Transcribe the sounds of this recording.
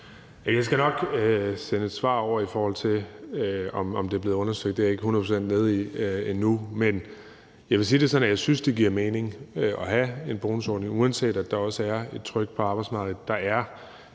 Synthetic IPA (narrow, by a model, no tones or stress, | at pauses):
jæjɑ̈ɪsɡ̥ænɒ̽ɡ̥øsenəe̝d̥sʋɑ̰̈ːɒʊ̰ɐifɒːhɒ̽l̰t͡sʰe̝ | ɒ̽mɒ̽md̥e̝ɐb̥le̝ːðˠɔ̽nɐsd̥œɡ̥d̥eæɐe̝ɡ̥əhunɐð̩ˠpʰosend̥ne̝ð̞̩ˠienːumen | jɑɪʋe̝s̬iːd̥e̝sɒ̽næjɑ̈ɪsynsd̥e̝ɡiɐ̰meːne̝ŋɒ̽ɦæe̝nb̥o̝ːnusɒ̰ːd̥ne̝ŋuænse̝̰ːd̥æd̥ɑ̈ɒ̽səæɐe̝d̥̚t͡sʰʁœɡ̥̚pʰɒ̽ɑ̈ːb̥ɑ̈ɪsmɑ̈ːɡ̥ð̩ˠd̥ɑ̈æɐ